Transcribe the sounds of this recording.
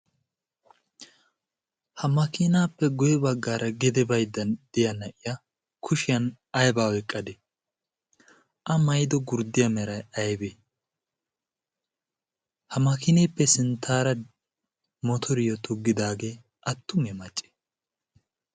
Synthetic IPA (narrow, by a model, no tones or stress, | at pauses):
hɐmɐkɪnaːpːɛɡʊjɛbɐɡːaːɾʔɐɡɛd̪ɛbɐjd̪ːɐnd̪̥ɪjɐnɐʔɪjɐ | kʰʊʃɪjɐn | ɐjbaːwɛkʼːɐd̪ɛ | ʔɐmɐjd̪ɔɡʊɾd̪ɪjɐmɛɾɐjɐjbe | hɐmɐkɪniːpːɛsɪnt̪ʰaːɾɐ | mɔt̪ʰɔɾɪjɔt̪ʊɡːɪd̪aːɡeː | ʔɐt̪ːʊŋɛmɐt͡ʃʼːe̥